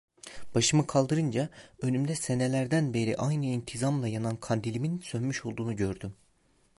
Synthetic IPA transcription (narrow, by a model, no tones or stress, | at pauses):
b̥aʃɯmɯkʰalˠd̪ɯɾɯnd͡ʒaø̞nymd̪ɛse̞nelʲæɾd̪ænbe̞ɾiʔajnɯint̪ʰizamlˠajanankʰand̪ilʲiminsønmyʃo̞lˠd̪uːnuɟø̞ɾd̪ym